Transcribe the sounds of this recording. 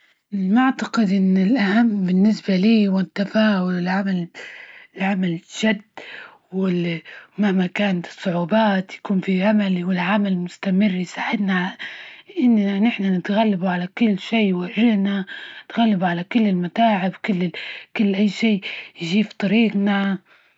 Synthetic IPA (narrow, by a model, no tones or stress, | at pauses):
lmʊʕt̪aqɪd̪ʔɪnːɪlʔahamːbɪnːɪsbaliːwɪt̪ːafaːʔʊlɪlʕamalɪlʕamalʒɪd̪ː | wɪlmahmakaːnat̪ɨ̥sˤːʊʕuːbaːt̪jḁkuːnfiʕamalwɪlʕamalmʊst̪amɪrːjsaːʕɪd̪na | ʔɪnːanɪħnanɪt̪ɣalːabuʕalakʊlːʃiːwaʒɪhnaɪt̪ɣalːabʕalakʊlːɪlmat̪aːʕɪbwkʊlːkʊlːʔajːʃiːjʒiːft̪ˤɑɾiːqna